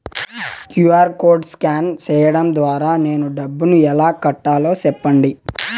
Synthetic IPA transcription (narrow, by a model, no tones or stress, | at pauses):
kjuaːɾko̞ːɾɖskaːnt͡ʃɛːjɐɽɐmd̪ʋaːɾaːne̞ːnuɖɐbːunuɛlaːkɐʈːaːlo̞ːsɛpːɐɳɖi